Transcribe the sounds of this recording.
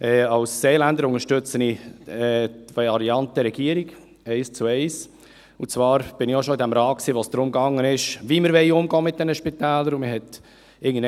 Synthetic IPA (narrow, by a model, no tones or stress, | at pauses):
ɛːɑlsːeːlændəɾʊŋəʃtʏt͡səniɛtvaɾiɑnt̚d̥əɾɛɡ̥iːəɾiɡ | ɛɪst͡suɛɪs | ʊt͡svɑːɾb̥ɪnijoʃoɪdɛmɾɑːksiːvoːsd̥ɾʊmɡɑŋːənɪʃviːməɾvɛɪʊmɡɔːmɪt̚d̥ɛnəʃpit̪ɛːləɾʊmɪhɛt | ɪɡən̩d